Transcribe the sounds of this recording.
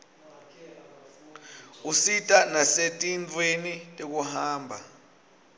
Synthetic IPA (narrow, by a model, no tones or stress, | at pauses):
usitʼanasetʼint͡fwenitʼek̬uhaːmbʱa